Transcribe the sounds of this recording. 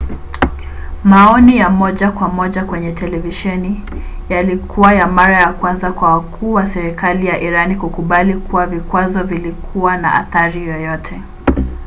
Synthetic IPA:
maɔnijamɔʄakwamɔʄakwɛɲɛtʰɛlɛviʃɛni | jalikʰuwajamaɾajakwanzakwawakʰuːwasɛɾikalijaʔiɾanikukuɓalikʰuwavikwazɔvilikʰuwana̰ʔa̰θaɾijɔjɔtʰɛ

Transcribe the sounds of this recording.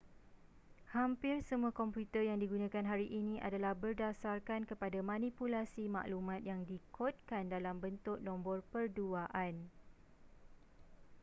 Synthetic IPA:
hampɪrsəmũãkɔmpjut̪ərjaŋdiɡunãkanɦaɾiʔinĩʔa̰dalahbərdasarkankəpadamãnĩpulasimã̰ʔlumãt̪̚jaŋdikʰot̪̚kandalambənt̪ʊk̚nɔ̃mbɔrpərduaʔan

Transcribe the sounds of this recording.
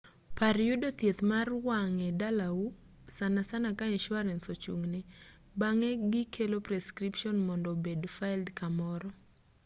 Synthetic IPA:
paɾjudot̪jet̪marwaŋɛdalau | sanasanakaɲɛʃwaɾɛnsot͡ʃṵŋnɪ | baŋɛɡɪkʰelopɾɛskɾipʃɔnmɔndɔbedfajldkamɔɾɔ

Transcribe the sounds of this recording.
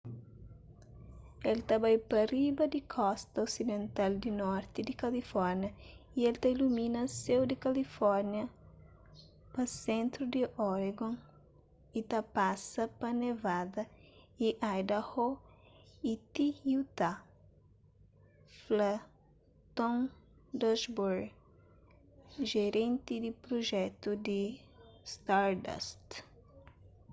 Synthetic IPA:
elt̪abajpɐribɐd̪ɪkʰɔst̪ɐosid̪ẽnt̪ald̪inɔɾt̪ɪd̪ɪkɐlifɔɾnjɐielt̪ailumĩnɐsewd̪ɪkɐlifɔɾnjɐ | pɐsẽnt̪ɾud̪iʔɔɾeɡõ | it̪apasɐpɐnevad̪ɐiʔajd̪aho | it̪iut̪a | fla | t̪õnd̪oʃbuɾɡ | ʒeɾẽnt̪ɪd̪ɪpɾoʒɛt̪ʊd̪ɪ | st̪aɾd̪a̰st̪

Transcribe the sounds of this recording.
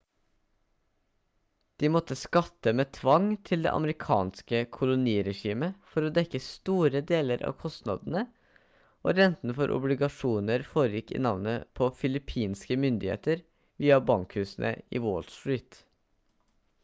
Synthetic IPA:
d̪̥iːmɔt̪ːəskɑt̪ːəmeːt̪ʰʋɑŋt̪ʰɪld̪ḛːʔɑ̰məɾɪkʰɑ̰ːnskəkʰʊlʊniːɾɛʂiːməfɔɾoːd̪ɛkːəst̪uːɾəd̪eːləɾʔɑ̰ːʋkʰɔst̪nɑ̰d̪ən̩ə | ʔo̰ːɾɛnt̪n̩fɔɾʔʊ̰blɪɡɑʂuːnəɾfoːɾəjɪkːḭːnɑʋnəpʰofɪlɪpʰiːnskəmʏnd̪ɪhḛːt̪əɾ | ʋiːɑbɑŋkhʉːsn̩ʔə̰ḭːwɔlst̪ɹiːt̪

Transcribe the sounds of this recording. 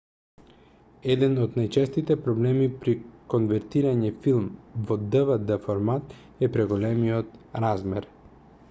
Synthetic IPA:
ɛd̪ɛnod̪najt͡ʃɛst̪it̪ɛpɾɔblɛmipɾikonvɛɾt̪iɾaɲɛfilˠmvɔd̪əvəd̪əfɔɾmat̪ | ɛpɾɛɡolɛmijɔt̪ɾazmɛɾ

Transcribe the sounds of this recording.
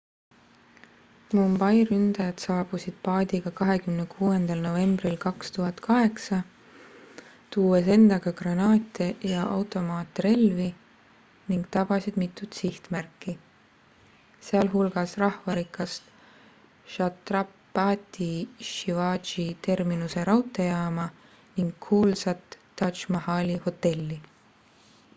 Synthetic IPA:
mumbɑjrynd̪̥ɑjɑt̪sɑːb̥usid̪̥pɑːd̪iɡ̥ɑkɑɦe̞kymnekʰuːe̞nd̪̥ɑlno̞ve̞mbrilkɑkst̪uɦɑt̪kɑɦe̞ksɑ | t̪uːese̞nd̪̥ɑɡ̥ɑɡ̥rɑnɑːt̪ʲˑejɑʔɑwt̪ˑo̞mɑːt̪ːre̞lvi | niŋɡ̥̚t̪ɑb̥ɑsid̪̥mit̪ːˑut̪siht̪mærkːˑi | seɑlɦulɡ̥ɑsrɑhvɑɾikːˑɑst̪ | ʃɑt̪rɑpː | ɑːt̪ʲːiʃivɑːʒit̪e̞rminuse̞ɾɑwt̪ːˑe̞jɑːmɑ | niŋɡkʰuːlsɑt̪ːɑʃmɑhɑːlʲiho̞t̪ːe̞lʲːi

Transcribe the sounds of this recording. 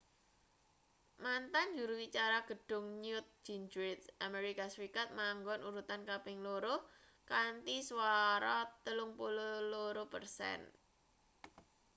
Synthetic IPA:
mant̪and͡ʒuɾuwit͡ʃaɾaɡ̥ə̤ɖ̥ʊ̤ŋɲjʊt̪̚d͡ʒ̥ind͡ʒɾet̪sʔameɾikaswikat̪̚maŋɡɔnʔuɾut̪ankapɪŋloɾo | kant̪iswaɾɔt̪əlʊŋpololoɾopərsɛ̰n

